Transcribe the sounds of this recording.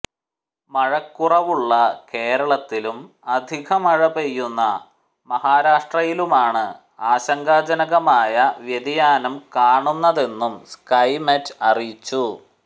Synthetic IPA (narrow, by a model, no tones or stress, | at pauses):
mɐɻɐkːurɐʋuɭːɐke̞ːɾɐɭɐt̪ːilum | ɐd̪ʱiɣɐmɐɻɐbejːunːɐ | mɐhaːɾaːʂʈrɐjilumaːɳɨ | aːɕɐŋɡaːd͡ʑɐnɐɣɐmaːjɐʋjed̪ijaːnɐmkaːɳunːɐðe̞nːumskɐjmɐtːɐrit͡ɕːu